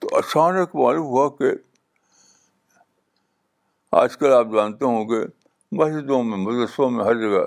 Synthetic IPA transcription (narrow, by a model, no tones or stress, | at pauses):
t̪oʔɐʃaːnəkmaːlumɦuake | a̰ːd͡ʒkɐlaːp̚d͡ʒãːnt̪eɦõke | bɐɦʃd̪õmẽmʊt̪əsbõmẽɦɐɾd͡ʒɐɡa